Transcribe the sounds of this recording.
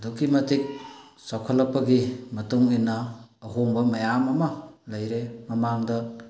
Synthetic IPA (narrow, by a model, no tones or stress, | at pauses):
dukːimɐtik̚sawkʰɐlːɐpːɐɡimɐtuŋinːɐːɦoŋbɐmɐjamɐmɐlɐjɾemɐmaŋdɐ